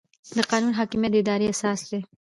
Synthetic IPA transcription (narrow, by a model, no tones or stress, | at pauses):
d̪əqɑnunɦɑkimjat̪̚d̪əɪd̪ɑɾeasɑsd̪e